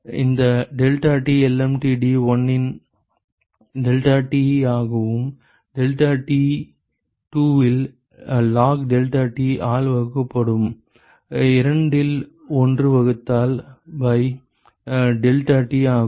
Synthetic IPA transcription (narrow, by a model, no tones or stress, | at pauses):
ɪ̰nd̪ɐɖɛlʈaːʈːiɛlɛmʈiɖiːʋɐnːɪn | ɖɛlʈaːʈːiaːɣɐʋɯm | ɖɛlʈaːʈːi | ʈuːʋɪl | laːkɖɛlʈaːʈːiʔaːlʋɐɣkːɐpːɐɽɯm | ɪɾɐɳɖɪl | ɔndrɯʋɐɣɯt̪ːaːlbɐɪ | ɖɛlʈaːʈːiaː